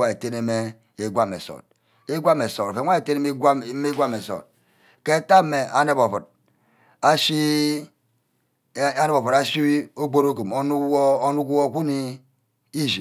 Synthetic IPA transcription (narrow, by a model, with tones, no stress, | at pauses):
a˦˨e˨te˦ne˦me˦ | e˦ɡʷa˦mḛ˨so̰˨t̚ | e˦ɡʷa˦me˨so˨ɾo˨fe˨˦a˦e˨te˦ne˦me˦ɡʷa˦m˨˦me˦ɡʷa˦me˨so̰˨t̚ | ke˦ta˦me˨a˨ne˦˨bo˨fu˨t̚ | a˦ʃi˦ | a˦ne˦bo˨fu˨ɾa˦si˦wi˦o˦ɡ͡bo˦ɾo˦ku˨mo˨˦nu˦o˦nu˦ku˦wo˦˨ku˦ni˦ | i˦ʒi˨